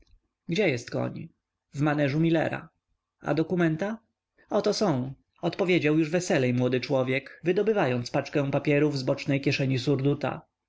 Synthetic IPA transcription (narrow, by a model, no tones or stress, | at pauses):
ɡd͡ʑɛjɛst̪kɔ̰ɲ | vmanɛʐumʲilɛ̰ɾa̰ | a̰d̪ɔkumɛnt̪a | ɔt̪ɔsɔ̃w̃ | ɔt̪pɔvʲjed͡ʑawjuʐvɛsɛlɛjmwɔd̪ɘt͡ʂwɔvʲjɛkvɘd̪ɔbɘvajɔnt̪spat͡ʂkɛ̃w̃papʲjɛɾuvzbɔt͡ʂnɛjkʲjɛʂɛɲisuɾd̪ut̪a̰